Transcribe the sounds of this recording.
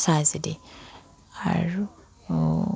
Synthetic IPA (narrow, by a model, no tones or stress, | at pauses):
sazide | a̰ɾu